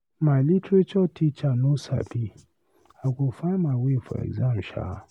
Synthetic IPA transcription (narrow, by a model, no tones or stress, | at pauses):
mãlitʰet͡ʃɔtʰit͡ʃanʊ̃sa̰bi | aɡofãmãwefɔ̰ɛ̰ɡzãnʃa̰